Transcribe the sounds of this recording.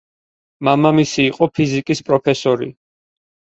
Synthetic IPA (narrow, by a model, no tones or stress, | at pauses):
mamamisiːqʼɔpʰizikʼispʼɾɔpʰɛsɔɾḭ